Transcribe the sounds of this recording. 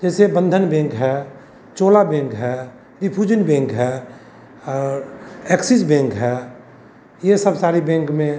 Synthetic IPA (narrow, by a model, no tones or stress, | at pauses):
d͡ʒɛːsebə̃nd̪ʱənbẽŋkɦɛ | t͡ʃoːlabẽŋkɦɛ | ɾipʰud͡ʒənbẽŋkɦɛ | ɔːɾeksisbẽŋkɦɛ | jesəbsaːɾibẽŋkmẽ